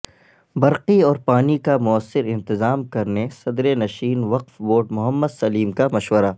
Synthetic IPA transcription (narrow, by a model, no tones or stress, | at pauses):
bɐɾqiɔːɾpaːnikamʊəsːɪɾɪ̃nt̪ɪzaːmkɐɾnesɐd̪ɾenɐʃiːnʋɐqfʋoːʈmʊɦəmːəd̪sɐliːmkamɐʃʋəɾaː